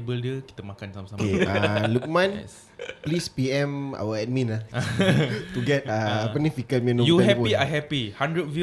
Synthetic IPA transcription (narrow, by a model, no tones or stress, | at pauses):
bəldiəki̥t̪əmakansamsakealuk̚mãn | plispiɛ̃ma̰wəɛt̚mĩna | tuɡɛt̚aapənĩfikəmĩnõjuɛɦɛkoiaɦɛpihãndɹət̚vi